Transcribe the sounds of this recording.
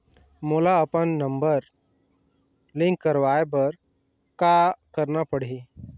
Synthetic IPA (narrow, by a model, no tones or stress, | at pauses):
moːlaəpənːə̃mbəɾ | lɪ̃ŋkːəɾʋaːebəɾ | kakəɾnapəɽ̤i